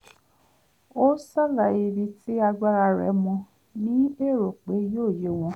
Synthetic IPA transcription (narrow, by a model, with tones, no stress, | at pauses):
o˦sa˦la˨i˧bi˧tʰi˦a˧ɡ͡ba˦˧ɾa˧ɾɛ̰˨˦mɔ̃˧ | nĩ˨˦e˦˨ɾo˨k͡pe˨˦joː˦˨je˨˦w̃ɔ̃˧